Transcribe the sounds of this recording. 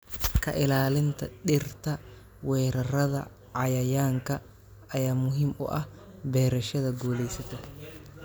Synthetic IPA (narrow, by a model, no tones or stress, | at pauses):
kʰɐʔɪlaːlɪnt̪ɐɗɪrt̪ɐ | wɛːɾɐrɐðɐ̰ | ʕajɐjaːŋkɐ | ɐjaːmʊɦɪmɔ̰ːʔɐh | bɛːɾɛʃɐðɐɡuːlɛjsɐt̪ɛ